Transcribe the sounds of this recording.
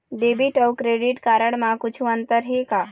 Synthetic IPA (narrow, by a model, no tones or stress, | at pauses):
ɖeːbiʈɔːwkɾeːɖɪʈkaːɾəɽ̃mãkʊt͡ʃʰũə̃nt̪əɾɦeɡaː